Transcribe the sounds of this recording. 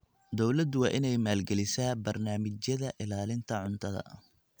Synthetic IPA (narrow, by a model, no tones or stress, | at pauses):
d̪ɔwlɐd̪ʊwɑːʔɪnɛjmaːlɡɛlɪsaːbɐrnaːmɪt͡ʃjɐðɐʔɪlaːlɪnt̪ʰɐʕʊnt̪ʰɐðɐ̰